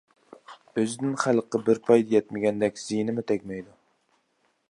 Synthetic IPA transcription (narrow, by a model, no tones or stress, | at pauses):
øzɪnɪnχælˠqːɑbɪɾpʰɑjd̪ɛjɛt̪̚mɪɡʲɛnd̪ɛkʲz̥ijnɪmɪt̪ʰɛkʲmɛjd̪u